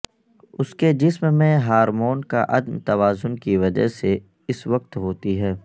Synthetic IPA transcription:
ʊsked͡ʒɪsmmẽɦaːɾmoːnka̰ʔɐd̪mt̪ɐʋaːzʊnkiʋɐd͡ʒə̰ɦse | ɪsʋɐq̚t̪ɦoːt̪iɦɛː

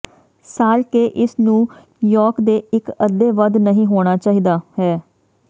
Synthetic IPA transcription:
saːɾkeːʔɪsnũː | jɔːɾkd̪eːɪkəd̪eːʋəd̪nəɦĩːɦoːɽ̃aːt͡ʃaːɦiːd̪aːhɛː

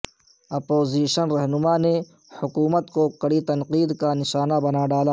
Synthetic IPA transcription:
ɐpoːziːʃənɾɐɦnʊmane | hʊkuːmət̪kokɐɽit̪ɐnqiːd̪kanɪʃaːnabɐnaɖaːlaː

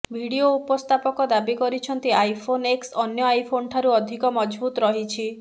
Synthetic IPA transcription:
bʱiɽioupɔst̪ʰapɔkɔd̪abikɔɾit͡ʃʰɔnt̪iajpʰoneksɔnjɔajpʰonʈʰaɾuɔd̪ʱikɔmɔd͡ʒbut̪ɔɾɔɦit͡ʃʰi

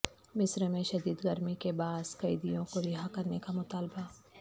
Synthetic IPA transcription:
mɪsɾmẽʃɐd̪iːd̪ɡɐɾmikebaːskɐid̪ijõkoɾɪɦakɐɾnekamʊt̪aːlba

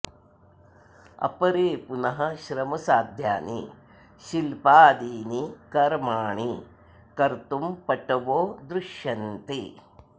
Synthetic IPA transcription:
ɐ̰pɐɾeːpunɐɦɐʃɾɐmɐsaːd̪ʱja̰ːnḭ | ʃilpaːd̪iːnikɐɾmaːɳi | kɐɾt̪umpɐʈːɐʋoːd̪ɾuʃjɐnt̪i

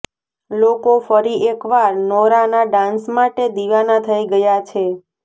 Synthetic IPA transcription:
lokofəɾiekʋaɾnɔɾanaɖãnsmaʈed̪iʋanat̪ʰəiɡəjat͡ʃʰe

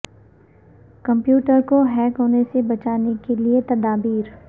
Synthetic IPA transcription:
kɐ̃mpjuːʈəɾkoɦɛːkɦoːnesebɐt͡ʃaːnekeliet̪ɐd̪aːbiːɾ

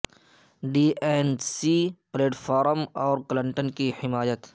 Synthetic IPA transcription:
ɖiːɛnsipleːʈfʰaːɾmɔːɾklə̃ɳʈənkihɪmaːjət̪

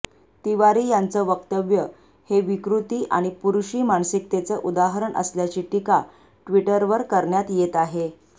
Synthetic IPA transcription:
t̪iʋaɾiːjant͡səːʋəkt̪əʋjə | heʋikɾut̪iːʔa̰ɽ̃ipuɾuɕiːmansik̚t̪et͡səʔud̪aɦɾəɳʔə̰sljat͡ɕiːʈika | ʈʋiʈəɾʋəɾkəɾɳjat̪jet̪aɦe

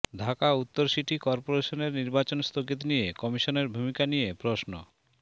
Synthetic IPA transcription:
dʱakaut̪ːoɾʃiʈikɔɾpoɾeʃoneɾniɾbat͡ɕonst̪ʰokit̪nijekɔmiʃoneɾbʱumikanijepɾosno

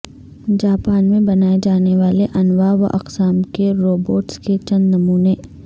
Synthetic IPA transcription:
d͡ʒaːpaːnmẽbɐnaːed͡ʒaːneʋaːleʔɐnʋaːʋɐ̰ʔɐ̰qsaːmkeɾoːboːʈsket͡ʃɐ̃nd̪nɐmuːneː

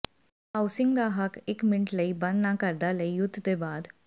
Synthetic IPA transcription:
ɦawsiŋɡd̪aɦakekmiɳʈləibə̃nd̪nakəɾd̪aləijud̪ʱd̪ebad̪

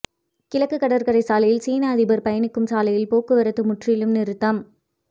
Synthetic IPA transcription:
kɪlɐkːɯkːɐɽɐɾkɐɾɐɪsaːlɐjɪlsiːnaɐðɪbɐɾpɐjɐnɪkːɯmsaːlɐjɪlpoːkːɯʋɐɾɐt̪ːɯmʊʈrɪjɪlɯmnɪɾɯt̪ːɐm

